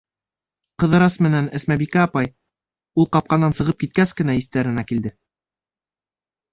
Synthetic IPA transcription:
qɤ̆ðɤ̆ɾɑsmɘ̆nænæsmæbikæɑpɑj | ulˠqɑp̚qɑnːɑnsɤ̆ʁɤp̚kit̪̚kæskɘ̆næiθt̪æɾɘ̆nækild̪ɘ

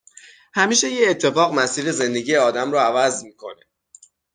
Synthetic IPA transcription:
hæmiːʃe̞jeːt̪ʰːe̞fɒːɣmæsiːɾe̞ze̞nd̪e̞ɟiːjeɒːd̪æmɾɔævæzmikʰo̞̰ne

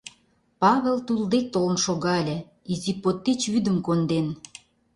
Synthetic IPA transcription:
pɑβelt̪uld̪ek̚t̪olə̆nʃoɣɑelʲĕ | izipot̪ːet͡ɕβyd̪ə̆mkond̪en

